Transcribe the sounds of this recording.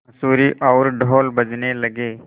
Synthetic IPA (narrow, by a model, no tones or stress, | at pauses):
ɐsuːɾiʔɔʊɾɖʱoːlbəd͡ʒnelɐɡeː